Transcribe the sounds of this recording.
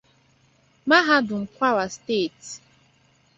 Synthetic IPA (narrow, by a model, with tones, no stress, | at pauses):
ma˦ɦa˦dʊ˨ŋ̩˨kʷa˦wa˨steː˦˨t